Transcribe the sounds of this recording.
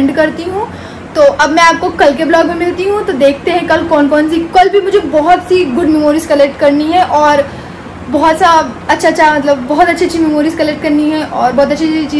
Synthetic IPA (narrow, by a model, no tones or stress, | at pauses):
ɳɖkɐɾt̪iɦũ | t̪oːʔɐbmɛ̃aːp̚kokɐlkeblɔːɡmimɪlt̪iɦũt̪od̪eːk̚ʰt̪eɦɛ̃kɐlkɔːnkɔːns̬ikɐlbʱimʊd͡ʒʱebɔɦɔt̪siɡʊɖmɛmoːɾizkɐlek̚ʈkɐɾniɦɛʔɔːɾ | bɔɦɔt̪saɐtːʃʰaːʃʰamɐt̪ləbːɔɦɔt̪ɐtːʃʰitːʃʰimɛmoːɾizkɐlek̚ʈ̚kɐɾniɦɛ̃ʔɔːɾbɔːt̪ɐtːʃʰit͡ʃiː